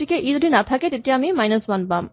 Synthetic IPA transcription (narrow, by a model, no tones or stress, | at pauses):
ikeʔid̪oɖinat̪ʰaket̪eʈiamimajnosbanbam